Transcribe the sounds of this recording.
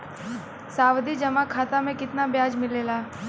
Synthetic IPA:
saːwd̪id͡ʒɐmakʰaːt̪amẽkɪt̪nabjaːd͡ʒmɪleːlaː

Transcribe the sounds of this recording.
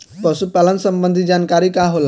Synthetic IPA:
pəsupalənsəmbənd̪ʱid͡ʒankaɾikaɦol

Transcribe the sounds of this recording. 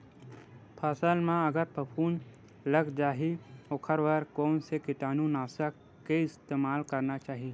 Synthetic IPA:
pʰaːsəlmãɐɡəɾpɐpʰuːn | lɐɡd͡ʒaːɦiokʰəɾʋəɾkɔːnsekɪʈaːnũnaːsəkːeɪst̪eːmaːlkɐɾnat͡ʃaːɦie

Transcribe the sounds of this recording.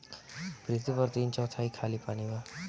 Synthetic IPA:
pɾit̪ipəɾt̪iːnt͡ʃɔːt̪ʰaːikʰaːlipaːniʋaː

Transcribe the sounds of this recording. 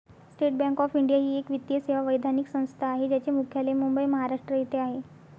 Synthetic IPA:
sʈeʈ̚bæ̃ŋkɔfiɳɖijaɦiːekʋit̪ːjəseʋaʋəjd̪ʱaniksə̃w̃st̪ʰaːɦed͡ʑjat͡ɕemukʰjalemumbəjməɦaɾaʂʈɾəjit̪eaɦe

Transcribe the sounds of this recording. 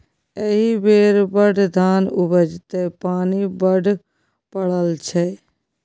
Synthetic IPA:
eɦibeːɾbəɖʱd̪ʱaːnʊbəd͡ʒt̪epaːnibəɖʱ | pəɽəlt͡ʃʰɛ

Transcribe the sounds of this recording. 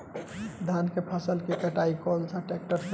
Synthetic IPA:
d̪ʱankepʰəsəlkekəʈaikɔlt͡ʃʰãʈek̚ʈəɾ

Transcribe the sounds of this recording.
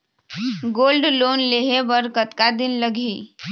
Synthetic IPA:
ɡoːlɖloːnleɦebəɾkət̪kad̪ɪnləɡʱiː

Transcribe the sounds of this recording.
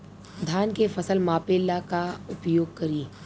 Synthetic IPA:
d̪ʱjaːnkefɐsəlmaːpeːlakaʊpjoːɡ̚kɐɾiː

